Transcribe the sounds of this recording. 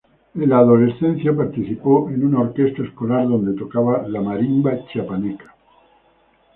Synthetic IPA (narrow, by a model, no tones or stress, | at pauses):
elaːðo̞le̞sθe̞n̟θjapaɾt̪iθipoʔenunaoɾke̞st̪aeskolaɾðo̞nd̪e̞t̪o̞kaβalamaɾiŋbat͡ʃapanekḁ